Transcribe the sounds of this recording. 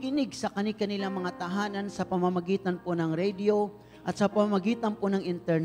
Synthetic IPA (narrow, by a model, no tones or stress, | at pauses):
ɡɪnɪɡsɐkɐnikɐnɪlaŋmɐŋat̪ɐɦaːnɐnsɐpɐmamɐɡiːt̪ɐnponɐŋɾɛd̪ɪo̞ | ʔɐt̪̚sɐpɐmamɐɡiːt̪ɐnponɐŋʔɪnt̪ɛɹn